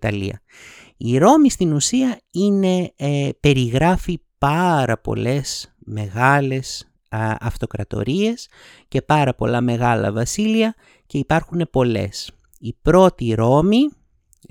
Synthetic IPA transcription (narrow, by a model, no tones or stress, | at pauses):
t̪ɐliɐ̰ | iɾo̞mist̪inusiɐine̞pe̞ɾiɣɾɐfipɐɾɐpo̞̰le̞sme̞ɣɐle̞s | ɐ̰ft̪o̞kɾɐt̪o̞̰ɾie̞s | ce̞pɐɾɐpo̞̰lɐme̞ɣɐlɐ̰vɐsiliɐ | ce̞ipɐɾxune̞po̞le̞̰s | ipɾo̞t̪iɾo̞mi